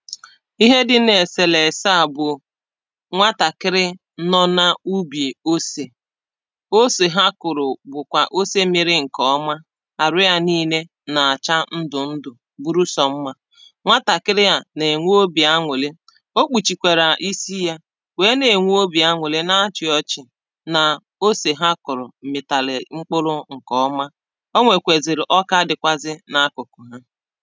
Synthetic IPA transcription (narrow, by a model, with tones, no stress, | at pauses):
i˦ɦe˦dɪ˦ne˨se˨le˨sa˦˨bʊ˨ | ŋʷa˦ta˨kɪ˦ɾɪ˦ | nɔ˦na˦u˦bje˨o˦se˨ | o˦se˨ɦa˦kʊ˨ɾʊ˨bʊ˨kʷa˨ʔo˦se˦mɪ˨ɾɪ˦ŋ̩˨kɔ˦ɔ˦ma˦ | a˨ɾʊ˦ja˦niː˦ne˦ | na˨a˨t͡ʃa˦n̩˦dʊ˨n̩˦dʊ˨ | bu˦ɾu˦sɔ˨m̩˦ma˦ | ŋʷa˦ta˨kɪ˦ɾɪ˦ja˦ne˨ŋʷu˦o˦bi˨a˦ŋʷe˨le˦ | o˦k͡pu˨t͡ʃi˨kʷe˨ɾa˨ʔi˦si˦ja˦ | weː˨˦ne˨ŋʷu˦o˦bi˨a˦ŋʷʊ˨le˦na˦a˦t͡ʃɪ˨ɔ˦t͡ʃɪ˨ | na˨ | o˦se˨ɦa˦kʊ˨ɾʊ̰˨m̩˨mɪ˨ta˨lɪ˨ŋ͡m̩˦k͡pʊ˦lʊ˦ŋ̩˨kɔ˦ɔ˦ma˦ | o˦ŋʷe˨kʷe˨zɪ˨ɾɪ˨ʔɔ˦ka˦dɪ˨kʷa˦zɪ˦na˦kʊ˨kʊ˨ɦa˦